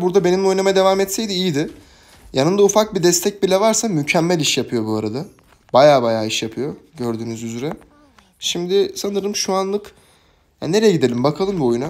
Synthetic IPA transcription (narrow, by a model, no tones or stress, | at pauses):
buɾd̪abe̞nimo̞jnamad̪e̞vaːmɛt̪sɛjd̪iijid̪ɪ | janɯnd̪aufak̚bid̪ɛst̪ʰɛc̚bilʲɛvaɾsamycʰɛmːælʲiʃjapʰɯjo̞buaɾad̪a | bajaːbajaːiʃjapʰɯjo̞ɟø̞ɾd̪yːnyzyzɾɛ | ʃimd̪ɪsanɯɾɯmʃuanlˠɯk | ja̰ne̞ɾɛjɛɟid̪e̞lʲimbakʰalˠɯmbuo̞juna